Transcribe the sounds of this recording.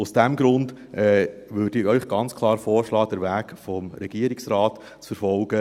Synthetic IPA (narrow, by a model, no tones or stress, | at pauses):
usd̥æmɡɾʊnd | ʔɛʋøːɾd̥iœʏχɡ̥ɑnt͡skʰlˠɑːɾfɔːɾʃlɑːd̥əɾvæːɡfɔmɾɛɡ̥iəɾɪksɾɑːt | t͡sfəɾfɔlɡ̥ə